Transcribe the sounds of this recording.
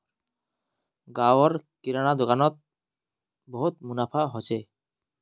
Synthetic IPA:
ɡawoɾkiɾanad̪okanɔt̪̚ | bɔɦut̪̚munapʰaɦot͡ɕʰe

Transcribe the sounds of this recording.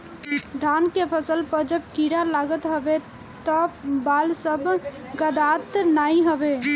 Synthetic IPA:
d̪ʱankepʰəsəlpəɾd͡ʒəbkiɾalaɡət̪ɦəbe | t̪əbalsəb | ɡəd̪at̪naiɦəbe

